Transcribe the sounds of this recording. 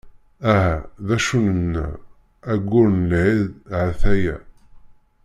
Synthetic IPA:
æɦæðæʃunənːæ̰ | æɡʷːʊɾnəlʕiðʕθæjæ

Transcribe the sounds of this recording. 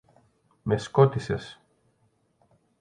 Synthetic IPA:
meskot̪ises

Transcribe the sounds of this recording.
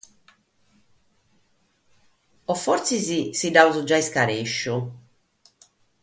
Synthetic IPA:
ɔfɔɾt̪sizisidauzud͡ʒaiskaɾeʃːu

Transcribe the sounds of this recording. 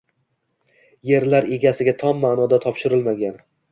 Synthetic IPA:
je̞ɾlaɾe̞ɡʲasɪɡʲat̪ʰɒmːaːnɒd̪at̪ʰɒpʃɪɾɪlmaɡʲan

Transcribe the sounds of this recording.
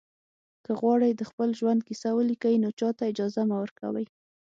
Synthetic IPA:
kəɣwɑɽəjd̪əxpəlʒwand̪̚kisawəlikainot͡ʃɑt̪aɪd͡ʒɑzamawəɾka̰wə̰j

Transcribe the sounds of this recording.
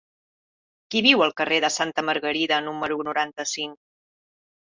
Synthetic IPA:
kiβiwəlˠkəreðəsant̪əməɾɣəɾiðənuməɾunuɾant̪əsiŋk

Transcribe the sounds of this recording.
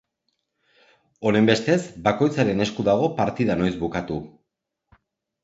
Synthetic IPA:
o̞ne̞mbe̞st̪e̞zbako̞jt͡saɾe̞ne̞skuðaɣ̞o̞paɾt̪iðano̞jzβukat̪u

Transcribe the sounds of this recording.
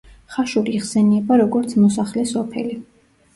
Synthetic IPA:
χaʃuɾiːʁsɛniɛbaɾɔɡɔɾt̪sʰmɔsaχlɛsɔpʰɛ̰li

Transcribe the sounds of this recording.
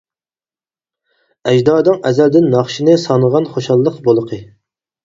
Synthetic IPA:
ɛʒd̪ɑːd̪ɨŋɛzæld̪ɪnːɑχʃinɨsɑnəʁɑnχoʃɑlˠːəqbolˠəqʰə

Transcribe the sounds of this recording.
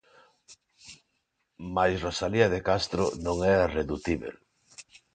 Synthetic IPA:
majsrosaliɐðekast̪ɾo̰nõŋɛreðut̪iβḛl

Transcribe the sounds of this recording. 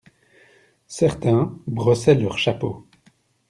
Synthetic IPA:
sɛʁt̪ɛ̃bʁɔsɛlœʁʃapo

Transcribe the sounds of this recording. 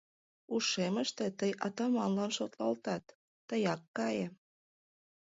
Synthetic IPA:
uʃemə̆ʃt̪et̪əjɑt̪ɑmɑnlɑnʃot̪lɑlt̪ɑt̪ː | əjɑkːɑje

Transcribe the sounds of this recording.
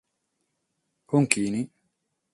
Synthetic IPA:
huŋkini

